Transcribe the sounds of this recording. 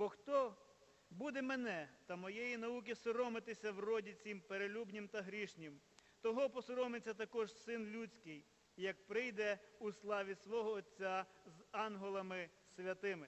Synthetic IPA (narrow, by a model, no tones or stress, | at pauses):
bɔxt̪ɔ | bud̪ɛmenɛt̪ɐmɔjejinɐuk̬ʲisɔɾɔmɪt̪ɪsʲɐwrɔdʲit͡sʲimpeɾelʲubnʲɪmt̪ɐɦɾʲiʃnʲɪm | t̪ɔɦɔpɔsɔɾɔmɪt͡sʲːɐt̪ɐkɔʒsɪnlʲut͡sʲkɪj | jɐk̚pɾɪjd̪ɛuslˠɑʋʲisʋɔɦɔːt͡sʲːazɑnɦɔlˠɐmɪ | sʲʋʲɐt̪ɪmɪ